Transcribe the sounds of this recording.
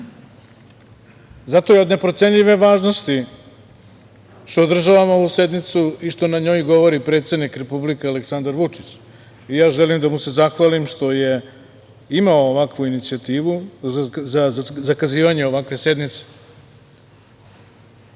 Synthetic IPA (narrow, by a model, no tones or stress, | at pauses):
zat̪o̞jeod̪ne̞pɾot̪sʲe̞ɲʎiʋe̞ʋaːʒno̞st̪i | ʃt̪o̞ːd̪r̩ʒaʋamo̞ʋuse̞d̪nit̪suiʃt̪o̞naɲo̞ːjɡo̞ʋo̞ɾipɾe̞ːt̪se̞d̪nikɾe̞publikeale̞ksand̪aɾʋut͡ʂit͡ɕ | ijaːʒelimd̪amuse̞zaxʋaːlimʃt̪o̞je̞ | imaoːʋakʋuinit̪siat̪iːʋu | zazakaziːʋaɲe̞o̞ʋakʋe̞se̞d̪nit̪se̥